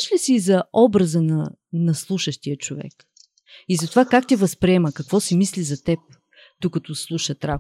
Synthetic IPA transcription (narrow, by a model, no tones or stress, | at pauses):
ʃlisiːzɐɔbɾəzənɐ | nɐslˠuʃəʃt̪iət͡ʃovɛ̰k | izɐt̪ovakakt̪ɛvɐspɾiɛməkɐkvɔsimislizɐt̪ɛp̚ | d̪̥ukət̪ɔslˠuʃət̪ɾa